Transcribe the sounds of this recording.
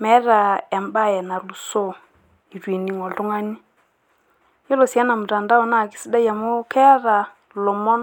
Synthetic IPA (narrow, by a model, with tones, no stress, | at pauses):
mɛ˨˦ɾa˨ɛ˨mba˦˨jɛ˨na˨lu˨so˦˨ | i˨twe˨ni˨ŋɔ˨ltʊ˦ŋa˦ni˦ | jo˦lo˨sja˦na˨mu˨ta˨nda˦ɔ˨˦na˦˨ki̥˦si˦da˦ja˨mo˦kʰɛ˦ɾa˨ | lo˨mɔ˦n